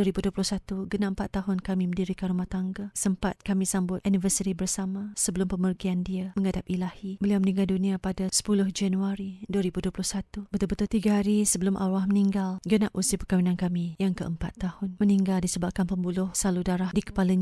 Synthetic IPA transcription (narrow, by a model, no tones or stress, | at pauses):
uəɾibuduəplʊhsat̪uɡənaʔəmpat̪ːaɦʊnkamĩməndiɾikanrumaht̪aŋɡasəmpa̰t̪̚kamĩsambʊt̪ʔanifərsit̪ibərsamãsəbəlʊmpəmərɡiandiaməŋadap̚ilahibəliawmənĩŋɡaldunĩapadasə̥pulʊhd͡ʒanuaɾiduəɾibuduəplʊhsat̪ubət̪ʊlbət̪ʊlt̪iɡaɦaɾisəbəlʊmʔa̰wahməniŋɡalɡənaʔusipəkawinankamijaŋkəʔəmpa̰t̪ːahʊnməniŋɡaldisəbap̚kanpəmbulʊhsaludaɾahdikə̥palaɲ